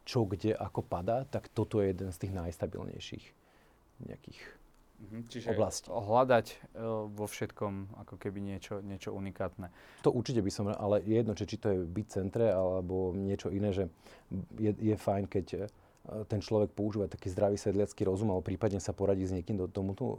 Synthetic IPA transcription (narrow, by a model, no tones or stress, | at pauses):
t͡ʃɔɡɟɛʔakɔpad̪aːt̪akt̪ɔt̪ɔjɛjɛd̪ɛnst̪iːɣnajst̪abḭlɲɛ̰jʃḭx | ɲɛ̰a̰kḭːx | t͡ʃiʒɔblascɦlad̪acʋɔfʃɛt̪kɔmakɔkɛbiɲɪɛt͡ʃɔɲɪɛt͡ʃɔunikaːt̪nɛt̪ɔʔuɾt͡ʃicɛbisɔma̰ʔalɛjɛjɛd̪nɔt͡ʃɛt͡ʃit̪ɔjɛbic̚t͡sɛnt̪ɾɛalɛbɔɲɪɛt͡ʃɔinɛːʒɛ | jɛjɛfajnkɛc | t̪ɛnt͡ʃlɔʋɛk̚pɔuʒiːʋat̪akiːzd̪ɾaʋiːsʋɛd̪lɪat͡skiːɾɔzumabɔpɾiːpad̪ɲɛsapɔɾaɟiːzɲɛkiːmd̪ɔt̪ɔmut̪ɔ̰